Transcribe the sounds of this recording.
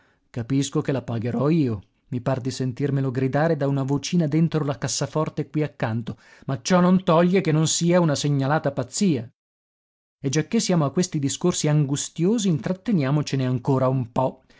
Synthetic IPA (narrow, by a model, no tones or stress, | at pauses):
kapiskokelapaɡeɾɔiːo | mipard̪isent̪irmeloɡɾid̪aːɾed̪aunavot͡ʃiːnad̪ent̪ɾolakasːafɔrt̪ekːwiakːant̪o | mat͡ʃɔnːont̪ɔʎːekenːonsiːaunaseɲːalaːt̪apat̪sːiːa | ed͡ʒːakːesːjaːmoakːwest̪id̪iskorsiaŋɡust̪joːziːnt̪ɾat̪ːenjaːmot͡ʃeneaŋkoːɾaumpɔ